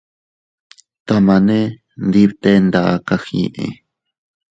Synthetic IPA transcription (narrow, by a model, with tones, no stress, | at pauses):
t̪a˧mã˨nẽ˦ | nd̪i˦βt̪e˦nd̪a˨ka˦xḭ˧ʔḛ̃˧˨